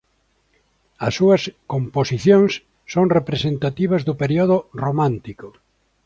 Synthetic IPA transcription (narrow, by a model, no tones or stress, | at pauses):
ɐsːuɐskomposiθjõŋsː | oŋrepɾesent̪at̪iβ̞ɐzðʊpeɾioðoromãnt̪iko